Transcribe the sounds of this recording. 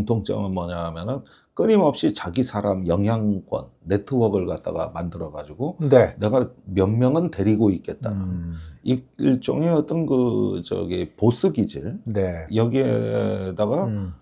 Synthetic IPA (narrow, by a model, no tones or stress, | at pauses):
ŋtʰoŋt͡ɕ͈ʌ̰mɯnmʌɲaɦamjʌnɯn | k͈ɯɲimʌp̚ɕ͈it͡ɕaɡisʰaɾamjʌŋɦjaŋk͈wʌ̰nːe̞tʰɯwʌɡɯɭkat̚t͈a̰ɡa̰mandɯɾʌɡad͡ʑiɡonene̞ɡamjʌnmjʌŋɯnte̞ɾiɡoik͈e̞t̚t͈a̰aiiɭt͡ɕ͈o̰ŋeʌt͈ʌnkɯt͡ɕʌ̰ɡepos͈ʰɯɡid͡ʑɯɭnejʌɡiedaɡa